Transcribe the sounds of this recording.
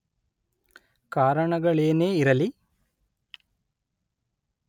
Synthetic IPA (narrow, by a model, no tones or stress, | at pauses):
kaːɾɐɳɐɡɐɭeːneːiɾɐli